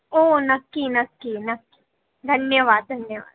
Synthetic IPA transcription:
oːnɐkːinɐkːinɐkːi̥ | d̪ʱɐnjəʋaːd̪̚d̪ʱɐnjəʋa̰ːd̪̚

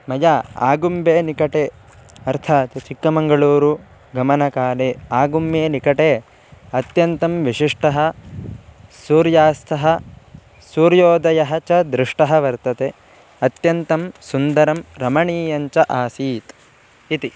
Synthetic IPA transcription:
mɐjaa̰ːɡumbeːnikɐʈeː | ɐɾt̪ʰaːt̪jɐt͡ʃikːɐmɐŋɡɐɭuːɾu | ɡɐmɐnɐkaːleːaːɡumːeːnikɐʈeː | ɐt̪jɐnt̪ɐmʋiʂiʂʈɐɦɐ̆ | suːɾjaːst̪ʰɐɦɐ | suːɾjoːd̪ɐjɐɦɐt͡ʃɐd̪ɾiʂʈɐɦɐʋɐɾt̪ɐt̪e | ɐt̪jɐnt̪ɐmsund̪ɐɾɐmɾɐmɐɳiːjɐɲt͡ʃɐʔaːsiːt̪ | it̪i

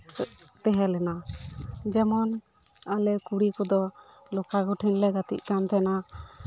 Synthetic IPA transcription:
t̪ɛɦɛlɛna | d͡ʒɛmɔn | alɛkuɽikɔd̪ɔ | lɔkaɡɔʈʰinlɛɡat̪ḭʔkant̪ɛna

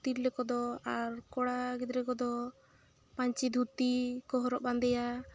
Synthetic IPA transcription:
t̪iɾlɛkɔd̪ɔaɾkɔɽaɡid̪ɾɛkɔd̪ɔ | paɲt͡ʃid̪ʱut̪ikɔɦɔɾɔʔband̪ɛja

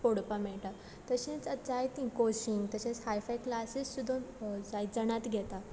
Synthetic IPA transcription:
poɽpamɛɭʈa | t̪əɕĩt͡səd͡zajt̪ĩkoɕiŋɡt̪əɕẽt͡shajfajklasissud̪ʱːə̃d͡zaj̪d͡zəɽ̃at̪ɡʱɛt̪a

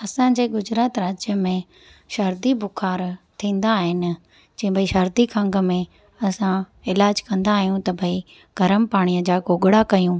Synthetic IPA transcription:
ɐsãd͡ʑeːɡʊd͡ʑɾaːt̪ɾaːd͡ʑjəmẽ | ʃɐɾd̪ibʱʊkʰaːɾt̪ʰĩːn̆d̪aːɦɪnɪ̆ | d͡ʑĩːbəiʃɐɾd̪ikʰɐ̃ŋɡəmẽ | ɐsã | ɪlaːd͡ʑkɐ̃nd̪aːɦijũt̪ɐbʱɐi | ɡ̥ʱɐɾəmpaːɽ̃ijəd͡ʑaːɡoːɡɽakɐjũː

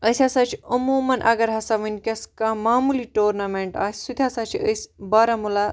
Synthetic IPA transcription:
əsʲasat͡ʃʰiɐmomɐnʔa̰ɡɐɾɦɐsaʋinʲkʲɐskamaːmuliːʈoːɾnɐmeɳʈa̰ːsʲsud̪ʱʲjasat͡ʃʰiʔəsbaɾamula

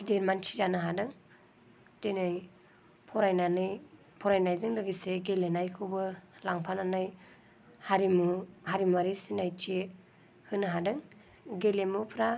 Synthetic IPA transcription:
kʰideɾmant͡ʃʰi̥d͡ʒanɯɦadɯŋ | tenɯj | pʰɔɾajnanɯj | pʰɔɾajnajdɯŋlɯɡiseɡelenajkʰɯbɯlaŋpʰananɯj | haɾimuhaɾimuaɾisinajt͡ʃe | hɯnɯɦadɯŋ | ɡelemupʰɾa

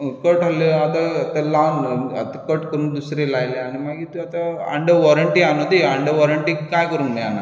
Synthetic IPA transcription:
kəʈɦaleat̪at̪alana̰t̪akəʈkəɾuːnd̪usɾelajleañimaɡit̪uat̪aa̰ɳɖəʋɔɾəɳʈianod̪iaɳɖəʋɔɾəɳʈikajkəɾuːnnaa̰na̰

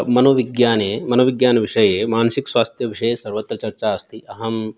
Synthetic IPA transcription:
mɐnoʋiɡjaːneːmɐnoːʋiɡjaːnʋiʂɐjeːmaːnsiksʋaːst̪ʰjɐʋiʂejesɐɾʋɐt̪ɾɐt͡ʃɐɾt͡ʃaɐst̪iʔɐɦɐm

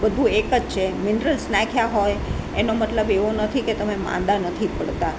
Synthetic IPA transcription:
bəd̪ʱuekəd͡ʒt͡ʃʰemɪnɾəlsnãkʰjaɦojenomət̪ləbeʋonət̪ʰiket̪əmemã̰nd̪anət̪ʰipəɽt̪a

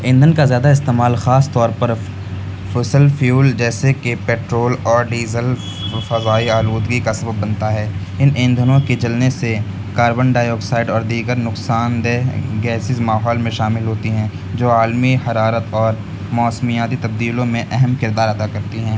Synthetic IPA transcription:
ẽːnd̪ʱənkazjaːd̪aɪst̪eːmaːlxaːst̪ɔːɾpɐɾ | fʊsəlfʰjuːld͡ʒɛːsekepeːʈɾoːlɔːɾɖiːzəl | fɐzaːiaːluːd̪ɡikasɐbəbːɐnt̪aɦɛː | ɪnʔẽnd̪ʱənõked͡ʒɐlnese | kaːɾbənɖaːjoːksaːɪɖɔːɾd̪iːɡəɾnʊksaːnd̪eɡɛːsɪzmaːɦɔːlmẽʃaːmɪlɦoːt̪iɦɛ̃ː | d͡ʒoːaːlmihɐɾaːɾət̪ɔːɾ | mɔːsmijaːt̪it̪ɐb̚d̪iːlõmẽʔɛɦɛmkɪɾd̪aːɾɐd̪akɐɾt̪iɦɛ̃ː

